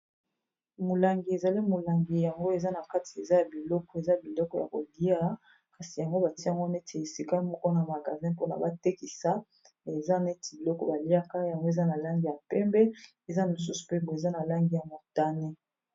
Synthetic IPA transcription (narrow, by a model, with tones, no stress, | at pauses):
mo˨la˨ŋɡi˨e˨za˨li˦mo˨la˨ŋɡi˨ja˨ŋɡo˦e˨za˦na˨ka˦ti̥˨e˨za˦ja˨bi˨lɔ˦kɔ˦e˨za˦ja˨bi˨lɔ˦kɔ˦ja̰˨ko˨di˦a˦ | ka˨si˨ja˨ŋɡo˦ba˨ti˦a˦˨ŋɡo˦ne˦tʰe˨e˨si˦ka˦mɔ˦kɔ˦na˨ma˨ɡa˨zɛ̃˦po˦na̰˨ba˦te˦ki˨sa˦ | e˨za˦na˨e˦ti˨bi˨lɔ˦kɔ˦ba˨li˦a˦ka˦ja˨ŋɡo˦e˨za˦na˨la˦ŋɡi˨ja˨pɛ˦mbɛ˦ | e˨za˦mo˨s̬u˦su̥˨pe˦bo˨e˨za˦na˨la˦ŋɡi˨ja˨mo˨ta˦ne˦